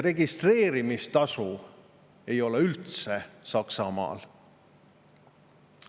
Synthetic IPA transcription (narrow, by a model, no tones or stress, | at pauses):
re̞ɡist̪re̞ːɾimist̪ɑsu | e̞jo̞leylt̪sesɑksɑmɑ̰ːl